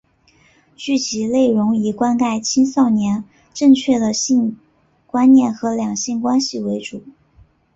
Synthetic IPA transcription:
t͡ɕy˥˩t͡ɕʰi˧˥le˥˩ɪɻʊ˧˥ŋi˨˩kwa˥nka˥˩ɪt͡ɕʰi˥ŋsɑ˥˩ʊnjɛ˧˥n | ʈ͡ʂɤ˥˧ŋt͡ɕʰɥɛ˥˩d̪ə˩ɕi˥˧ŋ | kwa˥nnjɛ˥˩nxɤ˧˥ljɑ˨˩ŋɕi˥˩nkwa˥nɕi˨˩we˧˥ɪʈ͡ʂu˨˩˦

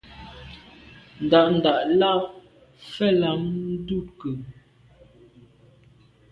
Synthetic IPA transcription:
n̩˨da˨ʔn̩˨da˨ʔla˦˨ | fɛ˦˨la˨mn̩˦du˦˨kə˨

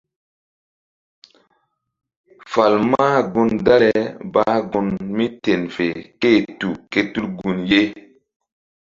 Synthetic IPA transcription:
fa˨lmaː˦ɡu˦nda˦le˨ba˦ɡu˨nmi˦te˨nfe˨ke˦˨tu˨ke˦tu˦lɡu˨nje˦

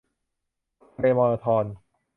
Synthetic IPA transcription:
pe˧mɔː˧ɾɔː˧t̪ʰɔː˧n

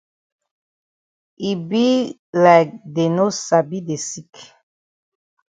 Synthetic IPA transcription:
i˨bi˦ | la˨k̚de˨no˦sa˨bi˦de˨si˦k

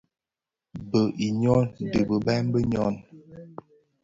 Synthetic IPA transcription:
bə˨ʔi˨ɲɔ˦n˨də˨bə˨bɛ˦m˦bə˦ɲɔ˦˨n

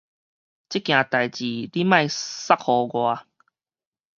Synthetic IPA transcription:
t͡ɕi˦˥kj̃ã˨t̪a˨˩jt͡ɕi˨˩li˦mã˥˧˨jsa˦k̚hɔ˨˩ɡwa˨˧

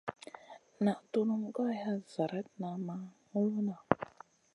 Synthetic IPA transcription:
na˨ʔtu˦nu˦ŋ˦ɡa˦ja˦za˨ɾɛ˦t̚na˨ma˨ŋu˦lu˦na˨

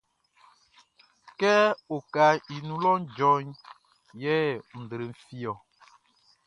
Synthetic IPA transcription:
kɛ˦o˨ka˨i˨nũ˨lɔ˦n˦d͡ʒɔ˦ɲ | jɛ˦n̩˨dɾə˨m̩˨fi˦ɔ˨

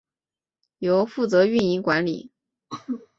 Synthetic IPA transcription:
jo˧˥ʊfu˥˩t͡sɤ˧˥y˥˧ni˧˥˩ŋkwa˧˥nlḭ˨˩˦

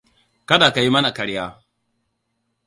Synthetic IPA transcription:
kɐ˦daː˨ka˨ji˦mɐ˦na˨kɐ˨ɽjaː˦

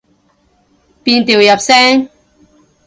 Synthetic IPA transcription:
pi˧nt̪i˨˩˨wja˨˩p̚sɛ˦˥ŋ

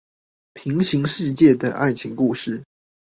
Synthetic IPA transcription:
pʰi˨˧˥ŋɕi˧˥ŋʂɻ̩˥˧t͡ɕjɛ˥˩d̪ə˩ʔa̰˥˩ɪt͡ɕʰi˧˥ŋku˥˧ʂɻ̩˥˩

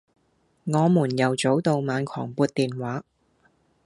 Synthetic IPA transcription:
ŋɔː˨˧muː˨˩njɐ˨˩wt͡so˨˥wt̪o˨˧wmaː˨˧nkʰɔ̰ː˨˩ŋpuː˧t̪̚t̪iː˨nwaː˨˥

